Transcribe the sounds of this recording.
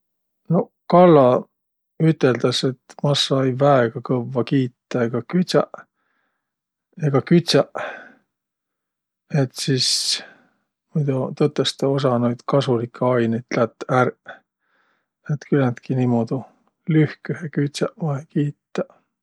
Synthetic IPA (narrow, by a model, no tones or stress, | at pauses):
no̞ | kɑlːɑ | yt̪ːˑe̞ld̪̥ɑse̞t̪mɑsːɑejvæeɡ̥ɑkɤvːɑkiːt̪ːɑeɡ̥ɑkyt̪sɑ̰ʔ | eɡ̥ɑkyt̪ʲsɑʔ | e̞t̪sis | mujd̪ut̪ot̪ːˑest̪ɑos̬ɑno̞jd̪̥kɑsulikʰːeɑjnet̪læt̪ˑːær | et̪kylænt̪kinimod̪̥u | lyhkyhekyt̪sæʔɑekiːt̪ːɑ